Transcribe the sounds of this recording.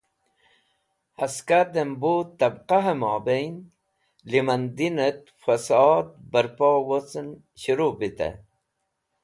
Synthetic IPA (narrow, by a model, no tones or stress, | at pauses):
haskad̪embot̪ːabqaɦəmɑːbejn | limand̪inət̪ | fasɑːd̪̚bəɾpowot͡sən | ɕuɾubit̪ḛ